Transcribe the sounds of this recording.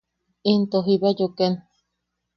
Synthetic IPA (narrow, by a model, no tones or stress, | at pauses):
int̪oɦiβajoken